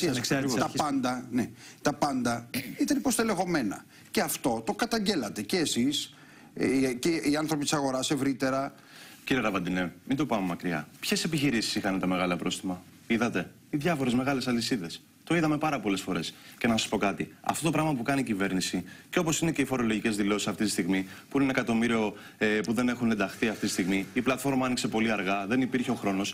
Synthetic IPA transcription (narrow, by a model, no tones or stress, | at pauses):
t̪ɐpɐnd̪ɐnet̪ɐpɐnd̪ɐit̪ɐnipost̪ele̞xo̞me̞nɐ̰ | ce̞ɐft̪o̞t̪o̞kɐt̪ɐɲɟe̞lɐt̪e̞ce̞ːsis | ceiɐnθɾo̞p̬it̪i̥sɐɣo̞ɾɐse̞vɾit̪e̞ɾɐ | ciɾieɾɐvɐd̪inemind̪o̞pɐmemɐkɾiɐ̰pçe̞se̞piçiɾisi̥sixɐnet̪ɐme̞ɣɐlɐpɾo̞st̪imɐ | iðɐt̪e̞ | iðʝɐfo̞ɾe̞zme̞ɣɐle̞sɐlisiðe̞s | t̪o̞iðɐme̞pɐɾɐpo̞le̞sfo̞ɾe̞sce̞nɐsɐspo̞kɐt̪iɐ̰ft̪o̞t̪o̞pɾɐɣmɐpukɐniːcive̞ɾnisiceo̞po̞sinece̞ifo̞ɾo̞lo̞ʝice̞zðilo̞sisɐft̪it̪ist̪iɣmipunenekɐt̪o̞miɾio̞ | epuðe̞ne̞xunend̪ɐxθiɐft̪it̪ist̪iɣmiiplɐt̪fo̞ɾmɐɐnikse̞po̞liɐɾɣɐðe̞nipiɾçeo̞xɾo̞no̞s